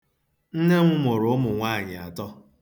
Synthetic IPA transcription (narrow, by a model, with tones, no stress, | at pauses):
n̩˦ne˦ŋʷʊ˦mʊ˨ɾʊ˨˦mʊ˨ŋʷaː˦˨ɲɪ˨a̰˨tɔ˦